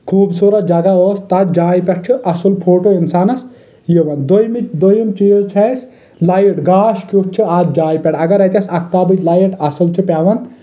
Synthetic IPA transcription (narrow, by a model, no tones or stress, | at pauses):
kʰuːbsoɾɐd͡ʒɐɡɐoːst̪ɐt̪d͡ʒaːipʲɛʈ̚t͡ʃʰiʔɐsɨlpʰoːʈoinsaːnɐs | jiʋɐnd̪ojmid̪ojimt͡ʃijot͡ʃʰɐs | lɐjiʈɡaːʃkukt͡ʃʰiaːt̪d͡ʒaːipʲɛʈɐɡɐɾɐt̪ʲɐsɐkt̪aːbɨt͡ʃlɐjiʈɐsɨlt͡ʃʰipʲaːʋɐn